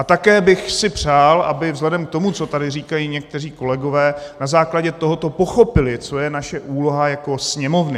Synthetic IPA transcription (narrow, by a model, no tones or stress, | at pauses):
at̪akɛːbɪxsɪpr̝̥aːlʔabɪvzɦlɛdɛmk̚t̪o̞mut͡so̞t̪adɪriːkajiːɲɛk̚t̪ɛr̝iːko̞lɛɡo̞vɛːnazaːklaɟɛt̪oɦo̞t̪o̞po̞xo̞pɪlɪt͡so̞jɛnaʃɛʔuːlo̞ɦajako̞sɲɛmo̞vnɪ